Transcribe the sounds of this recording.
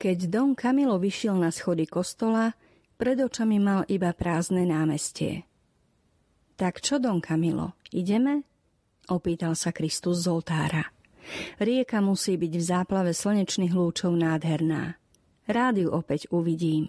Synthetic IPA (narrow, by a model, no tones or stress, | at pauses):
kɛɟd̪ɔŋkamilɔʋiʃɪɛlnasxɔd̪ikɔst̪ɔla | pɾɛd̪ɔt͡ʃamimalʔibapɾaːznɛnaːmɛscɪɛ̰ | t̪akt͡ʃɔd̪ɔŋkʰamilɔ̰iɟɛmɛ | ʔɔpiːt̪alsakɾist̪uzːɔlt̪aːɾa | ɾɪɛkamusiːbiɟvzaːplaʋɛsl̩ɲɛt͡ʃniːɣluːt͡ʃɔʊnaːd̪ɦɛɾna̰ː | ɾaːd̪juʔɔpɛɟuʋiɟiːm